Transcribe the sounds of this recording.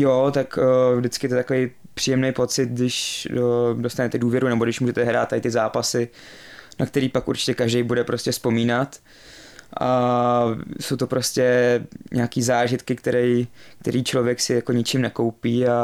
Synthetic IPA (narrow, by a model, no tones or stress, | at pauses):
jot̪akːvdɪt͡skɪjɛt̪ot̪akovej | pr̥iːjɛmnejpo̞t͡sɪt̪̚dɪʃ | do̞st̪anɛt̪ɛduːvjɛɾunɛboɡdɪʃmuʒɛt̪ɛɦɾa̰ːt̪ːaɪt̪ɪzaːpasɪ | nakt̪ɛɾiːpakʔṵɾt͡ʃɪ̥cɛkaʒdɛjbudɛpɾo̞scɛspo̞miːnat̪ | ʔa | so̞wt̪opɾo̞scɛɲʔaːkiːzaːʒɪt̪kɪkt̪ɛɾɛjk̚t̪ɛɾiːt͡ʃlo̞vjɛksɪjako̞ɲɪt͡ʃɪmnɛko̞wpiːa